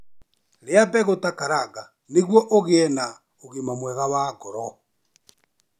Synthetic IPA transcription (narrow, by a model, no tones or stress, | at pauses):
ɾeabɛɣotakaɾaɡa | neɣwɔʔoɣeɛna | oɣemamwɛɣawakɔɾɔ